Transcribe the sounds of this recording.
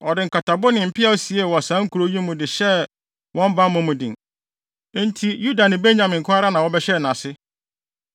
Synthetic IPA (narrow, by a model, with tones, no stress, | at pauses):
ɔ˨dɪ˨ŋ̩˨kʰa˨tʰa˨bʊ˦nɪ̃˨m̩˨pʰɪ˦a˦si˨e˦˨wɔ˨a˨sã˨˦ŋ̩˦kʰu˨ɾo˦jĩ˦mʊ̃˨dɪ˨ɕɛ˦ | wʔɔ̃˦m˦bã˦mʊ̃˦mʊ̃˨dɪ̃˨ŋ̩˦ | n̩˦tʰi˦ju˦da˨nɪ̃˨be˦ɲɲã˨mɪ̃˨ŋ̩˨kʰʊ̃˦a˦ɾa˦nã˨wɔ˦bɛ˦ɕɛ˦˨nã˨sɪ˦